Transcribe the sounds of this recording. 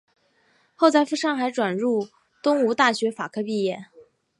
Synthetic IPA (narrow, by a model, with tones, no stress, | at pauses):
xo˥˧ʊt͡sa˥˧ɪfu˥˧ʂɑ˥˩ŋxa˧˥ɪʈ͡ʂwa˨˩nɻu˥˩ | t̪ʊ˥ŋu˧˥t̪a˥˩ɕɥɛ˧˥fa̰˨˩kʰɤ˥˧pi˥˧jɛ˥˩